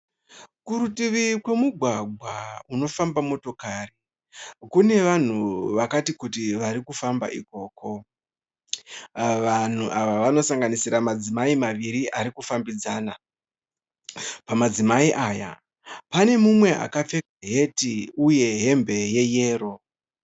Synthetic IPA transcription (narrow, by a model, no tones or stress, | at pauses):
kuɾutiʋikwe̞muɡʱwaɡʱwauno̞fambamo̞to̞kaːri | kune̞ʋan̤uʋakatikutiʋaɾikufamba̰ʔiko̞ːko̞ | ʋan̤uʔaʋaʋano̞saŋɡanisiɾamad͡zimaimaʋiɾiʔaɾikufambid͡zaːna | pamad͡zimaiʔaːja̰ | pane̞mumwe̞ʔa̰kap͡fe̞kaɦe̞tiuje̞ɦe̞mbe̞je̞je̞ːɾo̞